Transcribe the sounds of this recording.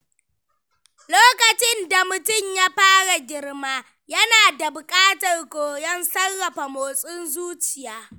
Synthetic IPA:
loː˦kɐ˨t͡ʃɪ˦nda˨mʊ˨tʊ˦˨ɲja˦ɸaː˦ɽa˨ɡʲɪ˦rmaː˦ | jɐ˦naː˨da˨bʊ˨kʼaː˦tɐ˨rkʷoː˨jɐ˦nsɐ˦rːɐ˨ɸa˨moː˨sʼɪ˦nzuː˦t͡ʃɪ˨jaː˦

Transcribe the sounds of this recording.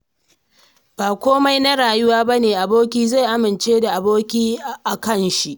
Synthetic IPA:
b̥aː˨kʷoː˦ma˦jna˦ɽaː˨jʊ˦waː˦ba˦neː˨ʔa˨boː˦kʲiː˦za˦˨jʔa˦mɪ˨nt͡ʃeː˦da˨ʔa˨boː˦kʲiː˦ʔa˨kɐ˦˨nʃi˦ʔ

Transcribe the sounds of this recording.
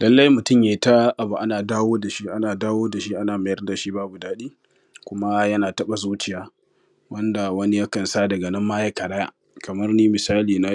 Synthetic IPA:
lɐ˦lːɐ˦jmʊ˨tʊ˦mjeː˨˦ta˦ʔa˨bu˨ʔa˦naː˨daː˦woː˦da˨ʃi˦ʔa˦naː˨daː˦woː˦da˨ʃi˦ʔa˦naː˨ma˨jɐ˦rda˨ʃi˦baː˦bu˨daː˦ɗiː˦ | kʷʊ˦ma˦jɐ˦naː˨tɐ˦ɓa˨zuː˦t͡ʃɪ˨jaː˦ | wɐ˦nda˨wɐ˦ni˦ja˦kɐ˨nsaː˦dɐ˨ɡɐ˨nɐ˦mːaː˦ja˦kɐ˨ɽa˦ja̰˨ | kɐ˨mɐ˦rniː˦mɪ˨saː˦liː˨na˦

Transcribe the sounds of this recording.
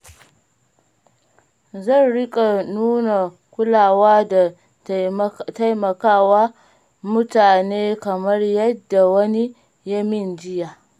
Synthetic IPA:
zɐ˦˨nɽɪ˦kʼa˨nuː˦na˨ | kʷʊ˦laː˨waː˦da˨ | ta˦jmɐ˨kaː˦waː˦ | mʊ˦taː˨neː˦kɐ˨mɐ˦rjɐ˦dːa˨wɐ˦ni˦ | jɐ˦mɪ˦nd͡ʒɪ˦jaː˨

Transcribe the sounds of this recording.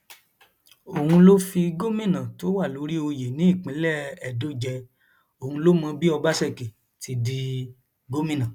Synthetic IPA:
o˨hũ˧lo˦fi˧ɡo˦mĩ˦˨nã˨to˦wa˦˨lo˨˧˦ɾi˦o˧je˨nĩ˨˦i˦˨k͡pĩ˨˦lɛ˦˨ɛ˨do˨˦d͡ʒɛ˧ | o˨hũ˧lo˦mã˧bi˦ɔ˧ba˦sɛ˦˨ke˨ | ti˧di˧ | ɡo˦mĩ˦˨nã˨

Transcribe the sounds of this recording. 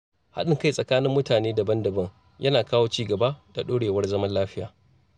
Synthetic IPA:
ha̰˦ɗɪ˨ŋka˦˨jsʼɐ˨kaː˦nɪ˦mːʊ˦taː˨neː˦dɐ˨bɐ˦ndɐ˨bɐ˦ŋ | jʔɐ˦naː˨kaː˦woː˦t͡ʃiː˦ɡɐ˨ba˦d̥a˨ɗoː˦ɽeː˨wɐ˦rzɐ˦mɐ˦nlaː˦ɸɪ˦jaː˨

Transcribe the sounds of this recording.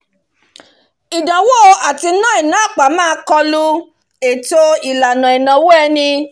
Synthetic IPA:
i˨dã˨wo˦˧a˨ti˧˦nã˦i˨nã˨˦˨k͡pa˨˦mãː˦˧˦kɔ˧lu˦ | e˨to˧i˨la˨nã˨i˨nã˨wo˦ɛ˧nĩ˧

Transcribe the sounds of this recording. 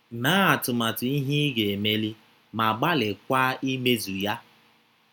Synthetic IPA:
na˦a˨tʊ˨ma˨tʊ˨i˦ɦi˦ɡe˨me˦li˦ | ma˨ɡ͡ba˦lɪ˨kʷa˦i˦me˦zu˨ja˦

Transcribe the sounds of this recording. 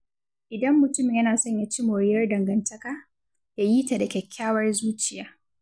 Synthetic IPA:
ʔɪ˨dɐ˦mːʊ˨tʊ˦mɪ˨jɐ˦naː˨sɔ˦ɲja˦t͡ʃi˦moː˨ɽɪ˦jɐ˦rdɐ˨ŋɡɐ˨ntɐ˦kaː˦ | ja˦jiː˦ta˨da˨kʲɛ˨kʲʰːaː˦wɐ˦rzuː˦t͡ʃɪ˨jaː˨˦

